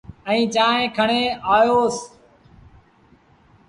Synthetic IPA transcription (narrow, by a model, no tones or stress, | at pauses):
ə̃ĩːt͡ʃaːɦẽːkʰəɳeːaːjoːs